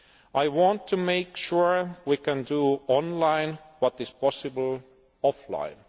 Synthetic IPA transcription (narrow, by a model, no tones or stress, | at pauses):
ʔaɪwɑ̃ntʰːɨmeɪkʃuɹwikæ̃nduɔ̃nlãɪ̃n | wʌtɨz̥pʰɔsɨbl̩ | ɔflã̰ɪ̃n